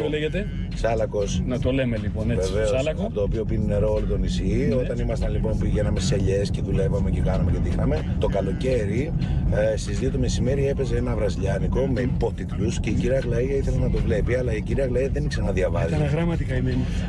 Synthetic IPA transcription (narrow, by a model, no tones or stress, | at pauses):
oleʝet̪e | sɐlɐko̞snɐt̪olemeliponeveve̞solɐɐpot̪oːpio̞pinine̞ɾoolot̪o̞nisio̞t̪ɐnimɐst̪ɐnlipo̞npiʝe̞nɐme̞sseʎe̞sce̞ðule̞vɐmecekɐnɐme̞ce̞t̪ixɐme̞t̪o̞kɐlo̞ce̞ɾi | st̪izðio̞t̪ome̞sime̞ɾie̞pe̞ze̞enɐvɾɐziʎɐniko̞mepo̞t̪it̪lusceiciɾiɐɣlɐiɐiθe̞lenɐt̪o̞vle̞piɐlɐiciɾiɐɣlɐiɐðe̞niksenɐðiɐvɐziɐɐɣɾɐmɐt̪ikɐimeni